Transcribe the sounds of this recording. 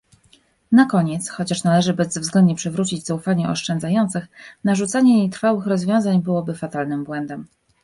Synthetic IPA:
nakɔɲɛt̪sxɔt͡ɕaʂnalɛʐɘbɛzːvzɡlɛnd̪ɲɛpʂɛvɾut͡ɕid͡ʑz̥aufaɲɛɔ̰ʂt͡ʂɛnd̪zajɔnt̪sɘxnaʐut̪saɲɛjejt̪ɾfawɘxɾɔzvʲjɔ̃w̃zaɲbɘwɔbɘfat̪alnɘmbwɛnd̪ɛm

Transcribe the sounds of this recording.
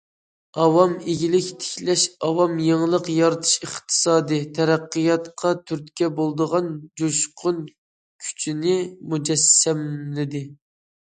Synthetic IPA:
ɑwɑmeɡʲilɪkʲt̪ʰɪ̥kʲlɛʃɑwɑmjeŋlˠəqjɑɾɨt̪ʰɨ̥ʃəχt̪ʰɨ̥sɑːd̪ɨt̪ʰɛɾæqːɨjɑt̪qʰɑt̪ʰyɾt̪kʲɛbolˠd̪əʁɑnd͡ʒoʃqʰʊn | kʲʰy̥t͡ʃʰinɪmud͡ʒɛsːɛmlɪd̪ɪ

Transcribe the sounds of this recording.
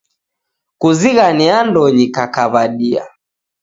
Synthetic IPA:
kuziɣaniandɔɲikakaβaɗia̰

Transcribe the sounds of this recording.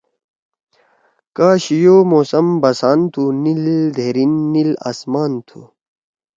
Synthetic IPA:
kaːɕijoːmoːsɐmbɐsaːnt̪ʰunild̪ʱeːɾinːila̰ːsmaːnt̪ʰṵ

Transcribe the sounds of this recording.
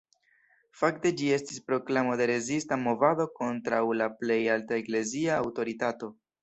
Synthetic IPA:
fakte̞d͡ʒie̞stispɾo̞klamo̞de̞ɾe̞zistamo̞vado̞ko̞ntɾawlaple̞jaltaekle̞ziaːwto̞ɾitato̞

